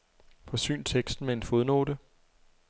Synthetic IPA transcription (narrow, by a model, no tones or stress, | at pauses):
fɒ̽sy̰ːnt͡sʰeɡ̥sd̥n̩mee̝nfo̝ð̞ˠno̝̰ːdə